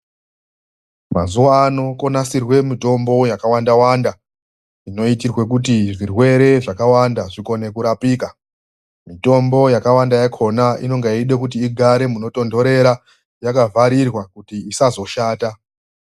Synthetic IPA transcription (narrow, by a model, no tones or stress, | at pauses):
ma̰zuwaːno̞ko̞nasirwe̞mito̞mbo̞jakawandawanda | ino̞itirwe̞k̬ut̬iʐirwe̞ɾe̞ʐakawandaʐiko̞ne̞kuɾapiːka | mito̞mbo̞jakawandajakʰo̞naḭno̞ŋɡaiɗekutiːɡʱaɾe̞muno̞to̞ndo̞ɾe̞ɾa | jakavʱaɾirwakutiːsazo̞ʃaːta